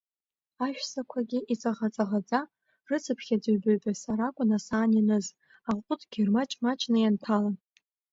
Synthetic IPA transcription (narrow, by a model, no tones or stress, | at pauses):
aʃᶣsakʷʰaɡʲiʔit͡sʼaʁat͡sʼaʁad͡zʼa | rɨt͡sʰɨpʰχʲad͡zɨɥbɨɥbasaɾakʷʼʊnasaːninɨz | aqʷʼʊtʼɡ̥ʲirmat͡ʃʼmat͡ʃʼnajantʰalan